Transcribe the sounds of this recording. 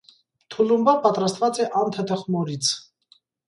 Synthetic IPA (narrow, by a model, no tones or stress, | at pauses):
t̪ʰulumbapɑt̪ɾast̪vat͡sʼɛʔɑnt̪ʰət̪ʰəχmɔɾit͡sʰ